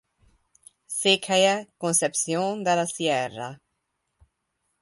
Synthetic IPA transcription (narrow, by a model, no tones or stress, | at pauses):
sekʰajakonsepsjond̪elasjɛra̰